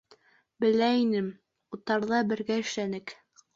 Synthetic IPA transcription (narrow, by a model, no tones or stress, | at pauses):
bɘ̆læinɘm | ut̪ːɑɾðɑbɘ̆ɾɡæɘ̆ʃlænɘk